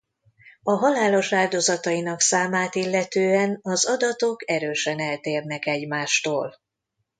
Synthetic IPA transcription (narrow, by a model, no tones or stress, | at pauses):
ɒɦɒlaːlo̞ʃaːld̪o̞zɒt̪ɒjinɒksaːmaːt̪ilːɛt̪øːɛnɒzɒd̪ɒt̪o̞kɛɾøːʃɛnɛlt̪eːrnɛkɛɟmaːʃt̪oːl